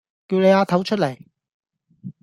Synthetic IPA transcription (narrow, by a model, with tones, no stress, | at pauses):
kiː˧wne˨˧jaː˨˧t̪ʰɐ˨˥wt͡ʃʰɵ˥t̚le˨˩j